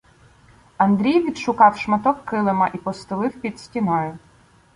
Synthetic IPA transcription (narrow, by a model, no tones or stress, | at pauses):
ɐnd̪ɾʲijʋʲid̪ʃʊkɑwʃmɐt̪ɔkːɪlˠemɐʔipɔst̪ɪlˠɪwpʲid̪sʲtʲinɔjʊ